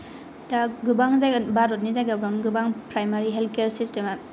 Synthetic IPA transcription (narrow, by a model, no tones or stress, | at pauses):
taɡubaŋzajɡabaɾot̬̚nizajɡabɾanɡɯbaŋpɾajmaɾiɦelkeɾsistema